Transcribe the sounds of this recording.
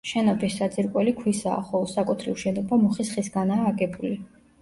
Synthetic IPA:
ʃɛnɔpʰisːad̪zʼiɾkʼwɛlikʰwisa̰ːχɔlˠɔsakʼut̪ʰɾiuʃɛnɔbamɔχisχisɡanaːɡɛbuli

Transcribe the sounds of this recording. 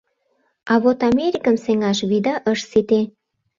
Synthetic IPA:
ɑβot̪ɑmeɾʲikəmseŋɑʃβid̪ɑʔəʃsit̪e

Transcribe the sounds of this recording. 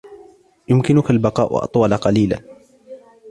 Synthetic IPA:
jʊmkɪnʊkalbɑqɑ̰ːʔʊ̰ʔɑ̰t̪ˤwɑlaqɑliːla̰n

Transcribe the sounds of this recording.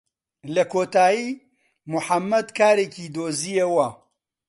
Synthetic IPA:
lɐkʰoːt̪aːjiː | mʊħamːɐd̪kʰaːɾeːcid̪oːzijɐwɐ

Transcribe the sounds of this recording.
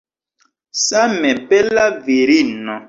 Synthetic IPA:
samɛpɛlaviɾinɔ

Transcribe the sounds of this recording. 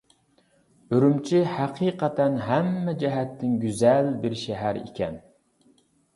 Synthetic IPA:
øɾymt͡ʃʰihæqʰiːqɑt̪ʰɛnɦæmːɛd͡ʒɛɦɛt̪ʰːɪŋɡʲyzɛlbɪɾʃɛɦæɾḭkʲʰɛn

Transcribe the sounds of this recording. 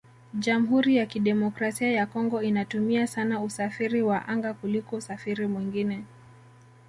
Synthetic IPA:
ʄamuɦuɾijakiɗɛmɔkɾasiajakɔŋɡɔinatumiasanausafiɾiwaʔaŋɡakulikɔusafiɾimwiŋɡinɛ

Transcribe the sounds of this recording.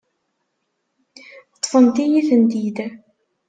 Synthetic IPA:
t̪ˤːfənt̪ijiθənd̪id̪æ

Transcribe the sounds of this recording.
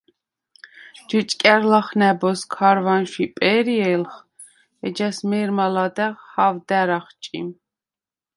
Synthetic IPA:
d͡ʒut͡ʃʼkʼɛɾlaχnɛbɔskʰaɾvanʃipʼɛɾiɛlχ | ɛd͡ʒɛsmɛɾmalɑd̪ɛʁhavd̪æɾaχt͡ʃʼḭm

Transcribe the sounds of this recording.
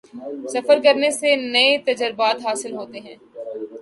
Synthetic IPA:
sɐfəɾkɐɾnesenɐet̪ɐd͡ʒəɾbaːt̪ɦaːsɪlɦoːt̪eɦɛ̃ː

